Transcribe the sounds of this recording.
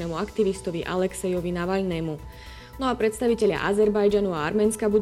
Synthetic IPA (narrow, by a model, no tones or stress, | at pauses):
ɛːmuakt̪iʋist̪ɔʋiʔa̰lɛksɛjɔʋinaʋaʎnɛːmu | nɔapɾɛt̪st̪aʋicɛʎɪa̰ʔazɛɾbajd͡ʒanuaa̰ɾmɛːnskabud̪